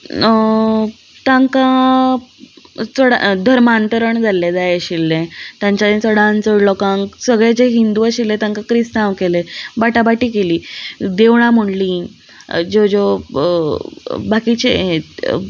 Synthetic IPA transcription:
t̪ãŋkã | t͡səɽa̰d̪ʱəɾmant̪əɾəɳd͡zʱalːed͡zajeɕilːẽt̪jãɲt͡ɕad̪it͡səɽãnt͡səɽlɔkãŋksəɡɭet͡ɕeɦind̪uaɕilːẽt̪ãŋkakɾist̪naʋkelebaʈabaʈiːkeliːd̪eʋɽ̃ãm̤əɳliː | d͡ʑod͡ʑo | bakit͡ɕe

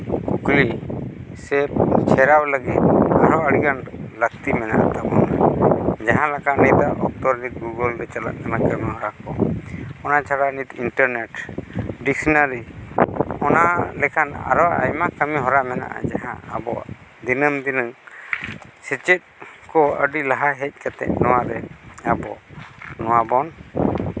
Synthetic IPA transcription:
kukli | sɛb̚t͡ʃʰɛɾawləɡit̪̚aɾɔəɽiɡanləkt̪imɛna̰ʔa̰t̪abɔnad͡ʒaɦãlakanit̪aʔʔɔk̚t̪ɔɾnit̪̚ɡuɡəlɾɛt͡ʃala̰ʔnamakəmiɦɔɾakɔɔnat͡ʃʰaɽanit̪inʈəɾneʈɖiksnaɾi | ɔnalɛkʰana̰ɾɔwaʔa̰jmakəmiɦɔɾamɛna̰ʔa̰d͡ʒaɦã̰ːbɔ̰d̪inəmd̪inəŋ | sɛt͡ʃɛt̪̚kɔə̰ɖilaɦaɦɛc̚ˀkat̪ɛ̰ʔ̚nɔwaɾɛabɔnɔwabɔn

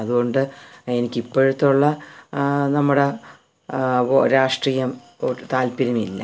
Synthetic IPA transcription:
ɐðuɣo̞ɳɖɨe̞nikʲːipːoɻut̪ːuɭːɐ | nɐmːuɽe | ɾaːʂʈrijɐm | t̪aːlpiɾɐmilːɐ̰

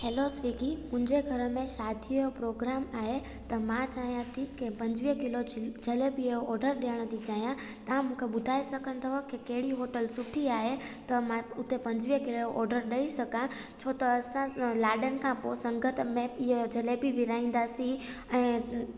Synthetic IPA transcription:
heːlosʋikimʊ̃ɪ̃ɲd͡ʑeɡʱɐɾəmẽʃaːd̪ʱiopɾoːɡɾaːmaːɦe | t̪ɐmãt͡ʃaːɦjãt̪ʰikepɐ̃ɲd͡ʑʋiɦkɪlod͡ʒʱɐlebʱioɔːɾɖəɾɗeəɽ̃ət̪id͡ʒaːijã | t̪ɐãmũkʰeɓʊd̪ʱaːesɐkʰə̃nt̪ʰoɦokekeɦɪɽiɦoːʈəlsʊʈʰiaːɦet̪ɐmãʊt̪epɐ̃ɲd͡ʑʋiɦkɪloʔɔ̰ːɾɖəɾɗɐisɐkã | t͡ʃʰoːt̪ɐːsãlaːɖənɪ̆kʰãposɐ̃ŋɡət̪ʰmẽɪd͡ʑʱɐlebʱiʋɪɾaːĩːnd̪asĩ | ɛ̃ː

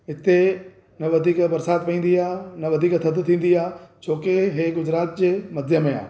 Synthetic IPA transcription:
ɦɪt̪e | nɐʋɐd̪ʱiːkbɐɾsaːt̪ʋẽːn̆d̪iaːnɐʋɐd̪ʱiːkt̪ʰɐd̪t̪ʰĩːn̆d̪iaːt͡ɕʰoːkeɦeːɡʊd͡ʑɾaːt̪̚d͡ʑeːmɐd̪ʱjəmẽa̰ː

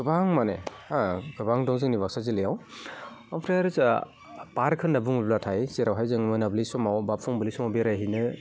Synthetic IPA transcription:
ɡ̥ɯbaŋmaneaɡɯbaŋdɔŋzɯŋnibaksazilɯjaw | ampʰɾajaɾɯza | paɾkʰɯnːabuŋublatʰajseɾawɦajzɯŋmɯnablisɔmawbapʰɔŋbɯlisɔmawbeɾaɦinɯ

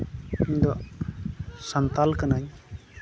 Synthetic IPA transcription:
iɲd̪ɔ | sənt̪alkənaɲ

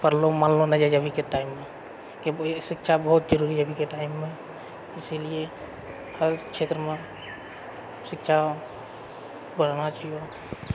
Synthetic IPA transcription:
pəɾlomaːnlõnəd͡ʒad͡ʒəbʱikeʈaːɪmːẽ | kesɪkʃʰabəɦʊt̪d͡ʒəɾuːɾid͡ʒəbʱikeʈaɪmːẽ | ɪsilie | həɾkʃʰeːt̪ɾəmẽ | sɪkʃʰa | bənanat͡ʃaɦijo

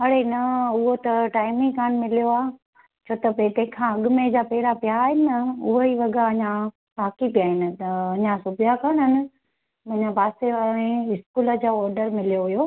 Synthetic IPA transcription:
ɦɐɽenɐʊɦot̪ɐʈaːɪmɪ̃kaːnmɪlijoaː | t͡ɕʰoːt̪ɐpet̪ẽːkʰãɐɠʊmẽd͡ʑaːpɛːɪɾapjaːɦɪnɐʊɦoiʋɐɡaɐɲã | baːkipijaːɦɪnɪ̆t̪ɐɐɲãsʊbʱijakɐɽ̃ɦənɪ̆ | mɐ̃ɲãbaːseʋaẽɪskuːləd͡ʑoɔːɾɖəɾmɪlijoɦʊjoː

